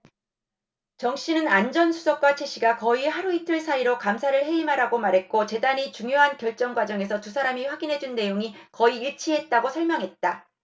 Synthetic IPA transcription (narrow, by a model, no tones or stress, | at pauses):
t͡ɕʌŋɕ͈inɯnand͡ʑʌnsʰusʰʌk̚k͈wat͡ɕʰe̞ɕʰiɡakʌiɦaɾuitʰɯɭsʰaiɾokamsʰaɾɯɭɦe̞imɦaɾaɡomaɾɦe̞t̚k͈ot͡ɕe̞daɲit͡ɕuŋjoɦankjʌɭt͡ɕ͈ʌŋɡwad͡ʑʌŋe̞s̬ʰʌtusʰaɾamiɸwaɡinɦe̞d͡ʑunːe̞joŋikʌiːɭt͡ɕʰiɦe̞t̚t͈aɡosʰʌɭmjʌŋɦe̞t̚t͈a